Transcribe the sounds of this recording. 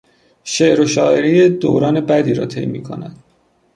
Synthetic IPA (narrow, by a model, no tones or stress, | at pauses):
ʃeʔɾoʃɒːʔeɾijed̪o̰ːwɾɒːne̞bæd̪iːɾɒ̰ːt̪ʰe̞̰jmḭːkʰo̰næd̪̥